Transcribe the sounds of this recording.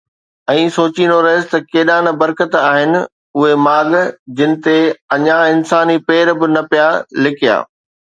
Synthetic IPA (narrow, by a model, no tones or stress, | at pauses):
ɛ̃ːsoːt͡ɕind̪oɾɐɦɪzɪt̪ɐkeːɗaːnbɐɾkət̪aːɦɪnɪ̆ | ʊɦemaːɠd͡ʑɪnɪ̆t̪eɐɲãɪnsaːnipeːɾbɪnɐpijalɪkʰija̰ː